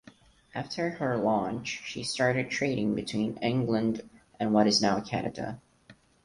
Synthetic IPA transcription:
ʔæftʰə˞ə˞lɑ̃nt͡ʃʃḭstɑɹɾɨd̚tʰɹ̥eɪɾɪ̃ŋbɨtʰw̥ĩnɪ̃ŋɡlə̃ndʔɨ̃nwʌɾɨznaʊkʰæ̰nɨ̰də̰

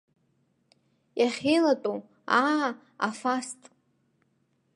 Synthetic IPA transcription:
jaχʲejlatʼo | a | afastʼ

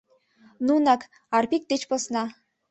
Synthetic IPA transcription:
nunɑk | arpʲik̚t̪et͡ɕposnɑ

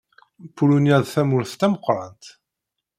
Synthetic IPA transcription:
pːulunjæðθæmʊɾθt̪æməqːɾˤɑnt̪

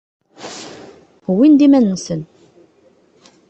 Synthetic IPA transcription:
wind̪imænːsən

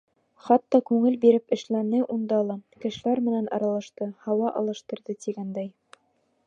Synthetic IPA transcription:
χɑt̪ːɑkʉŋɘlbiɾɘpɘ̆ʃlænɘʔund̪ɑlˠɑkɘ̆ʃɘ̆læɾmɘ̆nænʔɑ̰ɾɑlˠɑʃt̪ɤhɑwɑʔɑ̰lˠɤ̆ʃt̪ɤ̆ɾðɤt̪iɡænd̪æj

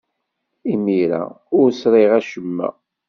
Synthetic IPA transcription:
imiɾæ̰ | ʊɾsɾˤiʁæʃəmːæ̰

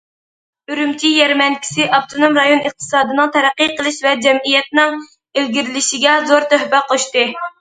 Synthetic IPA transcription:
yɾymkʲʰijɛɾmɛnkʲʰi̥sɪʔɑpt̪ʰonomɾɑjonəχ̚t̪ʰɨ̥sɑːd̪ɨnɨŋt̪ʰæɾæqːiqʰəlˠɨʃvɛd͡ʒɛmijɛt̪̚nɪŋ | ɪlɡʲiɾɪlɪʃiɡʲɛzoɾt̪øhpɛqʰoʃt̪ɨ

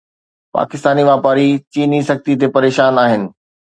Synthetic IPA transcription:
pa̰ːkɪst̪aːniʋaːpaːɾit͡ɕiːnisɐk̚t̪it̪̬epɐɾeːʃaːnaːɦɪnɪ̆

